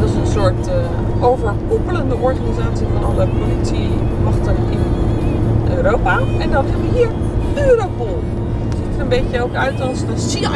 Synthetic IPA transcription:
dɔsənsʊɹt | ʔovəɹakopələndəʔɔɹxanizaːsifɔnɑləpolit͡simɑxtəkɪn | ʔø̰ːrowpaɛndɔnɦɛbʋəɦiəɹ | øːɾopulˠ | sitərəmbeːcəowkœɥtɔsdəsi

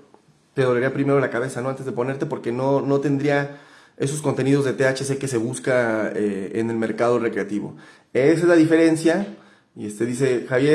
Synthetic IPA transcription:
t̪eðoleɾiapɾime̞ɾo̞lakaβe̞sano̞ant̪ezðe̞po̞ne̞ɾt̪e̞po̞ɾke̞no̞no̞t̪e̞nd̪ɾia | e̞so̞s̬ko̞nt̪e̞nið̞o̞zðe̞t̪e̞at͡ʃe̞s̬e̞ke̞se̞βuskaeḛne̞lme̞ɾkað̞o̞re̞kɾe̞at̪iβo̰ | es̬ezlaðife̞ɾe̞nsja | iest̪e̞ðis̬e̞xaβje

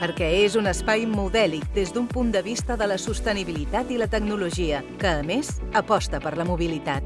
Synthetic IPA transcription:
pəɾkɛezunəspajmuðɛlik̚d̪ezðumpund̪əβist̪əðələsust̪əniβilit̪at̪ilət̪əɡnuluʒiəkəːmezəpɔst̪əpəɾləmuβ̞ilit̪at̪̚

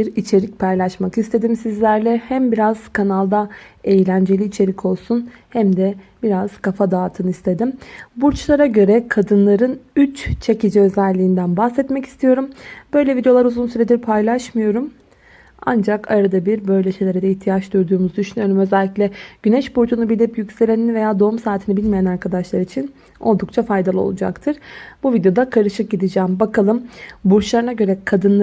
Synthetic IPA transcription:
iɾit͡ʃʰe̞ɾic̚pʰajlˠaʃmakist̪ʰe̞d̪imsizlʲæɾlʲɛhæmbiɾaz̥kʰanalˠd̪aejlʲænd͡ʒe̞lʲiːt͡ʃʰe̞ɾicʰo̞lˠsun | hæmd̪ɛb̥iɾaz̥kʰafad̪aːt̪ʰɯnist̪ʰe̞d̪imbuɾt͡ʃlˠaɾaɟø̞ɾɛkʰad̪ɯnlˠaɾɯnyt͡ʃt͡ʃʰe̞cid͡ʒiø̞zɛlʲːiːnd̪ænbahsɛt̪mɛci̥st̪ʰijo̞ɾumbø̞jlʲɛvid̪eo̞lˠaɾuzunsyɾe̞d̪iɾpʰajlʲˠaʃmɯjo̞ɾum | a̰nd͡ʒakʰaɾad̪abiɾbø̞jlʲɛʃejlʲeɾɛd̪ɛiçht̪ʰijat͡ʃd̪yɾd̪uːmuzd̪yʃynyjo̞ɾumø̞zɛlʲːiclʲɛɟ̥ynɛʃbuɾd͡ʒunubilʲipjycse̞ɾeninve̞jaːd̪o̞umsaːt̪ʰinibilʲmejanaɾkʰad̪aʃlˠaɾit͡ʃʰin | o̞lˠd̪ukt͡ʃʰafajd̪alˠɯo̞̰lˠud͡ʒa̰kt̪ʰɯɾ̥buvid̪ejo̞d̪akʰaɾɯʃɯk̚ɟid̪id͡ʒæːmbakʰalˠɯmbuɾt͡ʃlˠaɾɯnaɟø̞ɾɛkʰad̪ɯnˠ

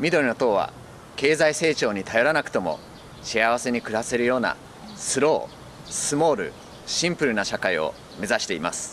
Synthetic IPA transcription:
mʲid̪o̞ɾʲɯno̞t̪o̞ːβa̰ | ke̞ːzaise̞ːt͡ɕo̞ːɲ̟it̪ajo̞ɾanakɯ̟̥t̪o̞mo̞̰ | ɕiaβ̞ase̞ɲ̟ikɯ̟ɾase̞ɾɯ̟jo̞ːna̰ | sɨɾo̞ː | sɨmo̞ːɾɯ̟̰ | ɕĩmpɯ̟ɾɯ̟naɕakaio̰ | me̞zaɕi̥t̪e̞ima̰sɨ̥

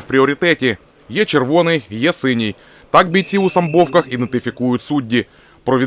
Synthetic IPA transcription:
wpɾʲɪɔɾʲɪt̪ɛtʲi | jɛt͡ʃerʋɔnɪjjɛsɪnʲij | t̪ɑk̚bʲit͡sʲiusɐmbɔwkɐxid̪ent̪ɪfʲɪkujʊtʲsudʲːi | pɾɔʋʲi

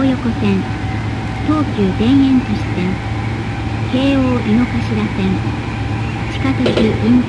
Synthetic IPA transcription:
jo̞ko̞sẽn | t̪o̞ːkʲɨːd̪ẽ̞ɰ̃ẽ̞nt̪aɕi̥tẽŋ | ke̞ːoːʔino̞kaɕiɾasẽŋ | t͡ɕi̥kat̪ɯkiʔĩŋ

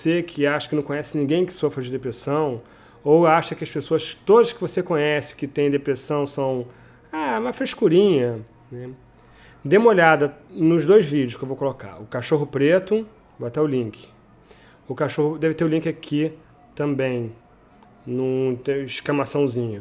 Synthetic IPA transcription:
sekʰɪaʃɐ̥kɪnɐ̃kõɲ̃ɛsɪnĩɡẽj̃kɪ̥sofɾɐd͡ʒɪd̪epɾesɐ̃w̃ | owaʃɐkɪɐʃpesoɐʃt̪od̪ɐʃkɪvosekõɲɛsɪ̥kɪt̪ẽj̃d̪epɾesɐ̃w̃sɐ̃w̃ | aɛũmɐfɾeʃkuɾĩɲɐ | nɛ | d̪ẽmolad̪ɐnʊʒd̪ojzvid͡ʒʊʃkewvowkoloka̰ɾʊkaʃoɦʊpɾet̪ʊ | voat̪ɛʊlĩŋkʰɪ̥ | ʊkaʃohʊd̪ɛvɪt̪eɾʊlĩŋkɪakʰi | t̪ɐ̃mbẽj̃ | nũiʃklɐmasɐ̃w̃zĩɲʊ

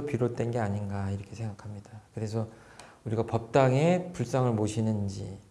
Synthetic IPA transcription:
opiɾot̚t͈we̞nɡe̞aɲinɡaiɾʌkʰe̞sʰe̞ŋɡakʰamɲidakɯɾe̞s̬ʰʌ | uɾiɡapʌp̚t͈aŋe̞puɭs͈aŋɯɭmoɕʰinɯnd͡ʑḭ

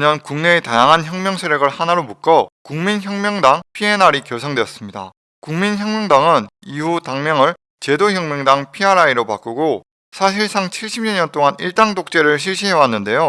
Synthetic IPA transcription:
ɲʌnkuŋne̞ːtajaŋɦançjʌŋmjʌŋsʰeɾjʌɡɯɭhanaɾomuk͈ʌkuŋminçjʌŋmjʌŋdaŋpʰie̞naɾikjʌsʰʌŋdeʌs͈ɯmɲida̰ | kuŋminçjʌŋmjʌŋdaŋɯnihutaŋmjʌŋɯɭ | t͡ɕe̞doçjʌŋmjʌŋdaŋpʰiaɾaiɾopak͈uɡo | sʰaɕʰiɭs͈ʰaŋt͡ɕʰiɭɕ͈ʰib̚ɲʌɲʌnt͈oŋaniɭt͈aŋdok̚t͡ɕ͈e̞ɾɯɭɕ̬ʰiɭɕ͈ʰiɦe̞wanːɯnde̞jo

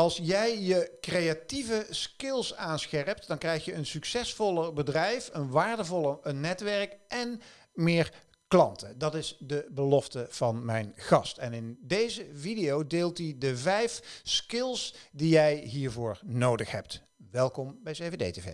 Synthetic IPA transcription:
ɑlˠsjɛjjəkrejativəskɪlˠsaːnsxɛɹp̚tdɑŋkrɛjxjəənsyksɛsfɔləbədrɛjfənʋaːɹdəvɔlˠənɛtʋɛɹkʔɛn | mɪːɹ | klɑntədɑtɪzdəbəlɔftəv̥ɑnmɛjnχɑstɛnɪndejzəvidejowdeːlˠtidəvɛjfskɪlˠsdijɛjɦiːɹvʊːɹnowdəxɦɛ̰p̚t | ʋɛlˠkɔmbɛjsevedḛjtevḛj

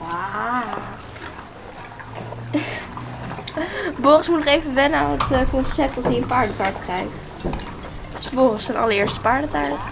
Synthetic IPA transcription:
a | bɔχəsmutnɔχejvəʋɛnəaːnətkɔnsɛp̚tɔfiəpaːɹdətaːɹtkrɛjχt | sbɔχəsənɑ̰ləɹɪːɹstə̥paːɹdətaːɹ

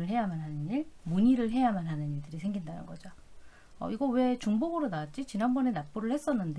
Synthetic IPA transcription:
ɯɭɦe̞jamanɦanɯniɭmuɲiɾɯɭɦe̞jamanɦanɯniɭdɯɾisʰe̞ŋɡindanɯ̰nɡʌd͡ʑo | ʌ̰iɡʌwe̞t͡ɕuŋboɡɯɾonaat̚t͡ɕ͈it͡ɕinanbʌne̞nap͈uɾɯɭhes͈ʌnːɯnde

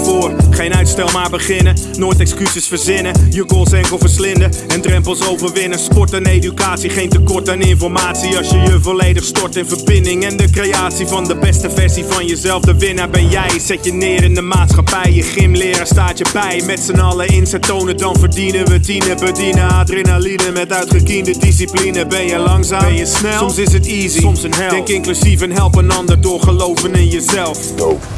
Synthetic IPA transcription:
voːrχejnœɥtstɛlˠmaːɹbəχɪnənoːjtɛkskysəsfərzɪnəjəkonsɛŋkəlˠvəɹslɪndəɛndrɛmpəlˠsowvəɹʋɪnəspɔɹtɛnejdykaːtsiχejntəkɔɹtanɪnfɔrmaːtsiɑsjəjəvoːɹlejdəχstɔɹtɪnvərbɪndɪŋɛndəkrejaːtsivɑndəbɛstəvɛɹsivɑnjəzɛlˠvdəʋɪnəbɛnjɛjsɛtjənɪːɾɪndəmaːtsχɑpɛjjəχɪmlɪːɾəstaːtjəbɛjmɛtsənɑləɪnsətownədɑnvərdinəʋətinəbədinaadrɪnalinəmɛtœɥtχəkiəndədis̬iplinəbɛnjəlɑŋsaːmɛjəsnɛslɔmsɪs̬ətiziɔmsənɦɛdɛŋkɪnklyzifənɦɛlˠpənɑndərdʊːɹχəlowvənɪnjəzɛlˠf

